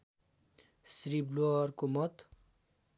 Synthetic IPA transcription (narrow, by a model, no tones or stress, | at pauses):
sriblorkomʌt̪